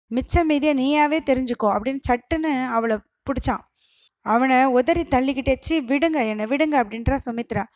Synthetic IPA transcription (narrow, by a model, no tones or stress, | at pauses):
mɪt͡ʃːɐmiːðɪjɐniːjaːʋeːt̪ɛɾɪɲd͡ʒɯkːõɐpːɐɽɪnːɯt͡ʃɐʈːɯnːɯɐʋɐɭɐ | pʊɽɪt͡ʃːã̰ː | ɐʋɐnɐʊðɐɾit̪ɐɭːikːɪʈːeːt͡ʃːɯʋɪɽɯŋɡɐɛnːɐʋɪɽɯŋɡɐɐpːɐɽɪnɾãːsɔmɪt̪ːɪɾãː